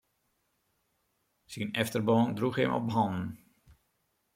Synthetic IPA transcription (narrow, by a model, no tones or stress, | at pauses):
sinɛftərbɔndruxɛmɔ̰pɦɔnn̩